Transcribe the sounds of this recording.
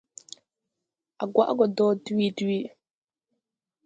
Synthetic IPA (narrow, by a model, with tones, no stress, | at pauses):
ʔa˨ɡwa˦ʔɡɔ˨dɔː˦du˦wi˦du˦wiː˦ɗ